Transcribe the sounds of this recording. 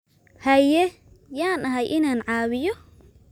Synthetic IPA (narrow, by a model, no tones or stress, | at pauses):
hɐjɛ | jaːnʔɐɦɐjʔɪnaːnʕaːβɪjɔ